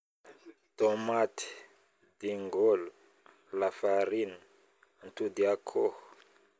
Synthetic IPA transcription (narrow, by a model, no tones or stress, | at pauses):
t̪omat̪i̥ | d̪iŋɡolu | lafaɾinə | nt̪ud̪iakʰoh